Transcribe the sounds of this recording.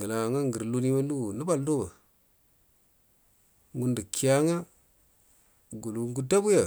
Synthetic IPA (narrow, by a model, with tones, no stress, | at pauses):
ɡa˨la˨ŋa˦ŋɡə˨ɾlu˦ni˦ma˦lu˦ɡu˨nu˦ba˦˨ldo˦ba˨ | ŋɡu˦ndi˨ki˨ja˦ŋa˦ | ɡu˨lu˨ɡu˦da˦bu˦ja˨